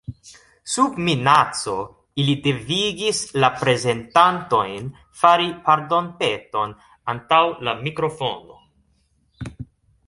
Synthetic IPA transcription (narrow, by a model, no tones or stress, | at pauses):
subminat͡so̞ | ilide̞viɡislapɾe̞ze̞ntanto̞jn | faɾipaɾdo̞npe̞to̞n | antawlamikɾofo̞no̞̰